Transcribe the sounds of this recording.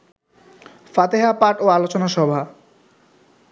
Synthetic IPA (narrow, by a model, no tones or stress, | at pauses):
fat̪eɦapaʈoalot͡ɕonaʃɔbʱa